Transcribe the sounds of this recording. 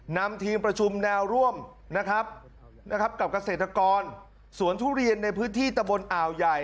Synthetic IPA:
na˧mt̪ʰiː˧mpɾa˧t͡ɕʰu˧mnɛː˧wɾu˥˩əm | na˦˥kʰɾa˦˥p̚ | na˦˥kʰa˦˥p̚ka˨˩p̚ka˧se˨˩t̪ːɾa˧kɔː˧n | su˩˦ənt̪ʰuː˥˩ɾi˧ənːa˧jpʰɯː˦˥nt̪ʰiː˥˩t̪a˧mbo˧nʔaː˨˩wja˨˩j

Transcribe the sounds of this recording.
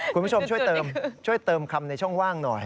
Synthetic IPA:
kʰu˧nː˧pːt͡ɕʰo˧mt͡ɕʰu˥˩ə˩jt̪ɤː˧mt͡ɕʰu˥˩əjt̪ɤː˧mkʰa˧mna˧jt͡ɕʰɔ˥˩ŋwaː˥˩ŋnɔ˨˩j

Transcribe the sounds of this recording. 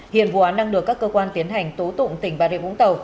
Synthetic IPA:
hḭ˧˨ənvṵ˧˨ʔaː˨˦nɗa˧ŋɗɨ˨˩əkːaː˦˥kːəː˧kwaː˧nt̪i˨˦ənɦa˨˩jŋ̟t̪o˨˦t̪ʊ̰˧˨ŋ͡mt̪ï˨˩ŋ̟ɓaː˧˩ḭ˧˩ɓʊ̰˧˥ŋ͡mt̪ə˨˩w

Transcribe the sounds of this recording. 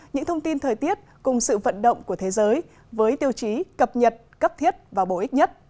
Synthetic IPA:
ɲɨ̰˧˥ŋt̪ʰə˧ŋ͡mt̪i˧nt̪ʰəː˨˩jt̪i˦˥ət̚kʊ˨˩ŋ͡msɨ̰˧˨və̰˧˨nɗə̰˧˨wŋ͡mku˧˩ət̪ʰe˨˦zəː˨˦j | vəː˨˦jt̪i˧əwt͡ɕi˨˦kə˨˩p̚ɲə˨˩t̚kə˦˥p̚t̪ʰi˦˥ət̚vaː˨˩wɓo˧˩ʔi˦˥k̟̚ɲə˦˥t̚

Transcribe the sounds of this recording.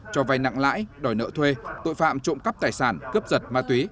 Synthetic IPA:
t͡ɕɔ˧va˧jna̰˧˨ŋla̰ː˧˥jɗɔ˨˩jnə̰ː˧˨t̪ʰwe˧t̪o̰˧˨jfa̰ː˧˨mt͡ɕʊ̰˧˨ŋ͡mkə˦˥p̚t̪aː˨˩jsaː˧˩nkɨ˦˥əp̚zə˨˩t̚maː˧t̪wi˨˦

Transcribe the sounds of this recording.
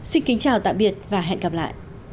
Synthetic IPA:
sï˧nkï˨˦ŋt͡ɕaː˨˩wt̪a̰ː˧˨jɓi˨˩ət̚vaː˨˩ɦɛ̰˧˨nɣa˨˩p̚la̰ː˧˨jʔ

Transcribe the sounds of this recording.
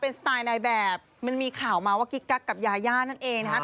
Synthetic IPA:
pe˧nst̪aː˧jna˧jbɛː˨˩p̚ma˧nmiː˧kʰaː˨˩wmaː˧waː˥˩ki˦˥kːa˦˥kːa˨˩p̚jaː˧jaː˥˩na˥˩nʔeː˧ŋna˧˥a˦˥

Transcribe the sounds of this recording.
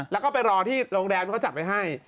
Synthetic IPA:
lɛ˦˥wkɔː˥˩pe˧nɾɔː˧t̪ʰiː˥˩ɾoː˧ŋɾɛː˧m˧kʰːt͡ɕa˨˩p̚ːa˧jɦa˥˩j

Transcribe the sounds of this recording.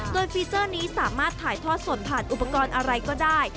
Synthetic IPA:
doː˧jfiː˧t͡ɕɤː˥˩niː˦˥saː˩˦maː˥˩t̪ʰːaː˩˦jt̪ʰɔː˥˩t̪̚su˨˩˦npʰaː˨˩nʔu˨˩pːa˧kɔː˧nʔa˧ɾa˧jkɔː˥˩daː˥˩j

